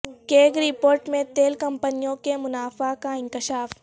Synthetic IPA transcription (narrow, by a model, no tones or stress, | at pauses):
keːɡɾɪpoːɾʈmẽt̪eːlkɐ̃mpənijõkemʊnaːfakaɪ̃ŋkɪʃaːf